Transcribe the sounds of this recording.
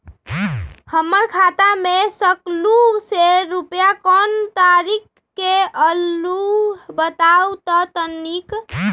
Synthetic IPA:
həməɾkʰat̪amesəkluseɾupjakɔnt̪aɾikː | eəlubət̪aut̪ɔt̪ənːik

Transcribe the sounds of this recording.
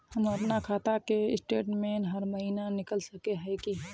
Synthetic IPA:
həmɐpnakʰaːt̪akeɪsʈeːʈmẽːnɦɐɾməɦiːnanɪkəlsəkeɦɛki

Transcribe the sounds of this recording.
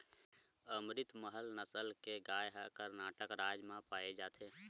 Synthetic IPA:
əmɾɪt̪məɦəlnəsəlkeɡaːjɦəkəɾnaːʈəkɾaːd͡ʒmãpaːed͡ʒaːt̪ʰe

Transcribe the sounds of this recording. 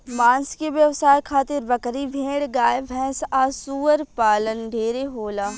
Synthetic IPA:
mãːnskeʋjəʋsaːjkʰaːt̪ɪɾbəkɾiʋʱẽːɽɡaːebʱɛ̃ːsaːsuːəɾpaːlənɖʱeːɾeɦoːlaː

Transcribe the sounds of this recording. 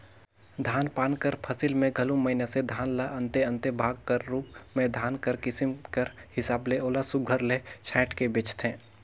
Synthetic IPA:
d̪ʱaːnpaːnkəɾpʰəsɪlmẽɡʱɐlũməɪnased̪ʱaːnlaʔə̃nt̪eə̃nt̪ebʱaːɡ̚kəɾːuːp̚mẽd̪ʱaːnkəɾkɪsɪmkəɾhɪsaːbleʔoːlasʊɡʱəɾlet͡ʃʰɛːʈkebeːt͡ʃt̪ʰɛ̃ː

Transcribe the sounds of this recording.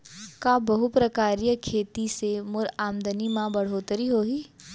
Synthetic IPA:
kaːbɐɦupɾəkaːɾijəkʰeːt̪isemʊɾaːmd̪ənimãbɐɽ̤oːt̪əɾiɦoːɦi

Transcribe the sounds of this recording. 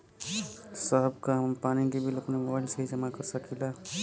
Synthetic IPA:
sɔɦbkampaniɡibilapnimɔbajlsəɦid͡ʒəmakɔɾsəkʰila

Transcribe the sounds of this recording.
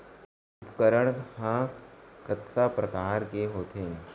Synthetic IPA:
ʊpkəɾəɳ̃hãkət̪kapɾɐkaːɾkeɦoːt̪ʰẽ

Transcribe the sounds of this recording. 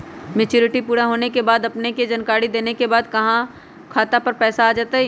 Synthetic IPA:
met͡ʃʊːɾɪʈipuːɾaɦoːnekebaːd̪ɐpneked͡ʒɐnkaːɽid̪eːnekebaːd̪kɐɦã | kʰaːt̪apɐɾpɛːsaːd͡ʒaːt̪aɦɛ

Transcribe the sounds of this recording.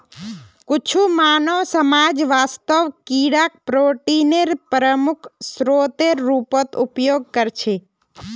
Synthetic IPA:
kʊt͡ʃʰumaːnoʋsəmaːd͡ʒʋaːst̪əʋkiːɽak̚pɾoːʈineɾpɾəmʊkʰsɾoːt̪eɾːuːpət̪ʊpjoːɡ̚kəɾt͡ʃʰe

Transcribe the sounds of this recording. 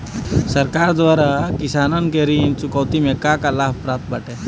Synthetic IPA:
səɾkaːɾd̪ʋaːɾakɪsaːnənkeɾiːnt͡ʃʊkəʋt̪imẽkakalaːb̚pɾaːt̪̚bəʈe

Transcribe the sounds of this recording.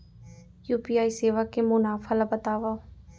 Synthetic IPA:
juːpiːaːiseːʋakːemʊnaːfʰalabət̪aːʋa

